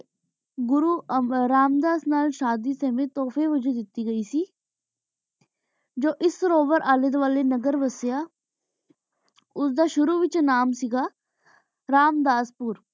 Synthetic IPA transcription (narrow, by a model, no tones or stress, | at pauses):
ɡʊɾuːɾaːmd̪aːsnaːlʃaːd̪isɛːmẽːt̪ɔːfeːʋəd͡ʒuːd̪ɪt̪iːɡəiːsiː | d͡ʒoːʔɪsɾoːbəɾʔaːlɪd̪ʋaːlenəɡəɾʋəsjaː | ʊsd̪aːʃʊɾuːʋɪt͡ʃnaːmsɪɡaː | ɾaːmd̪aːspʊɾ